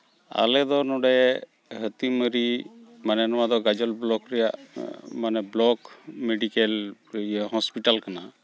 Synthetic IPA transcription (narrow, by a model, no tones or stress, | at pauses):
a̰lɛd̪ɔnɔɖɛ | ɦət̪iməɾimanɛnɔwad̪ɔɡad͡ʒɔlblɔkɾɛjaʔmanɛblɔkmeɖikɛl | ɦɔspiʈalkana